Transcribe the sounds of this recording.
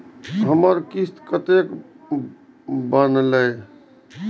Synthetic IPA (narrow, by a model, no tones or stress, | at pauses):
ɦəməɾkist̪kət̪ek | bənlə